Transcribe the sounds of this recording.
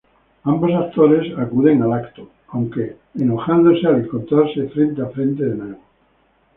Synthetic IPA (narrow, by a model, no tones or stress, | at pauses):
ambosak̚t̪oɾe̞sakuðe̞ŋalakt̪o | awŋkeː | no̞xand̪osealeŋko̞nt̪ɾaɾsefɾe̞nt̪eafɾe̞nt̪eðeneβo